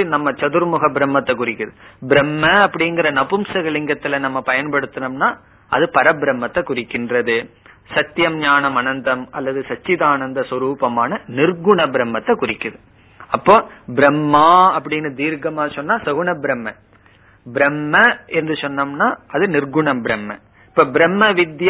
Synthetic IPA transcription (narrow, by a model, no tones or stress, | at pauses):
nɐmːɐt͡ʃɐðɯɾmʊɣɐbɪɾɐmːɐt̪ːɐkʊrɪkːɯðɯbɪɾɐmːɐːpːɐɽɪnɡɪɾɐnɐpʊmsɐɣɐɭɪŋɡɐt̪ːɪlɐnɐmːɐpɐjɐnpɐɽɯt̪ːɐnɐmnaː | ʔɐ̰ðɯpɐɾɐbɪɾɐmːɐt̪ːɐkʊrɪkːɪndrɐðɯ | sɐt̪ːjɐmɲaːnɐmɐnɐnd̪ɐmɐlːɐðɯsɐt͡ʃːɪðaːnɐnd̪ɐswɐɾuːpɐmaːnɐnɪɾɡʊɳɐbɪɾɐmːɐt̪ːɐkʊrɪkːɯðɯ | ɐpːoːbɪɾɐmːaːɐpːɐɽɪnːɐd̪iːɾɡɐmaːsɔnːaːsɐɣʊɳɐbɪɾɐmːɐ | bɪɾɐmːɐɪɯnd̪ɯsɔnːɐmnaːʔɐðɯnɪɾɡʊɳɐmbɪɾɐmːɐ̰ | ɪpːoːbɪɾɐmːɐʋɪd̪j